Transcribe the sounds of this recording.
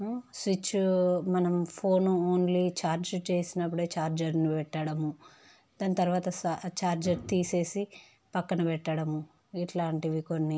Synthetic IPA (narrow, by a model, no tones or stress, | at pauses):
sʋit͡ʃːumɐnɐmpʰo̞ːnuoːnlit͡ʃaːɾd͡ʒɐt͡ʃe̞ːsinɐp̬ːuɽe̞ːt͡ʃaːɾd͡ʒɐɾnipɛʈːɐɽɐmu | d̪̥ɐːnit̪ɐɾʋaːt̪ɐst͡ʃaːɾd͡ʒɐɾt̪iːse̞ːsi | pɐkːɐnɐpɛʈːɐɽɐmu | iʈlaːɳʈiʋiko̞nːi